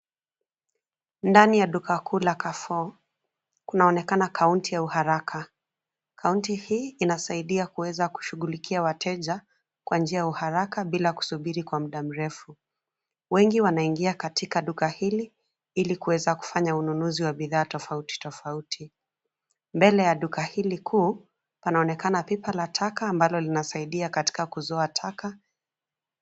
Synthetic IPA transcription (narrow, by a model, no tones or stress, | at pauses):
ndanijaɗukakuːlakafɔ | kunaɔnɛkanakʰauntijauhaɾakʰa | kʰauntihiːnasaiɗiakuwɛzaku̥ʃuɣulikʰiawatʰɛʄa | kwʔand͡ʒiajauhaɾakaɓilaku̥suɓiɾikwam̩ɗam̩ɾɛfu | wɛŋɡiwanaiŋɡiakatikaɗukahili | ilikuwɛzaku̥faɲaununuziwaɓiðaːtɔfauti̥tɔfautʰi | mbɛlɛjaɗukahilikʰuː | panaɔnɛkanapipalatʰakaːmbalɔlinasaiɗiakati̥kakuzɔatʰaka